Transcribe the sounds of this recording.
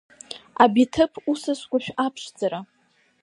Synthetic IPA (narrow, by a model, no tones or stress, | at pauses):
abitʰɨpʰusɨskʷaʃᶣapʰʂd͡zaɾa